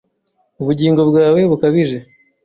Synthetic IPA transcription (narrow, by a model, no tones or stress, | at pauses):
uβuɟiːŋɡo̞bɡaːwe̞βukaβiʒe̞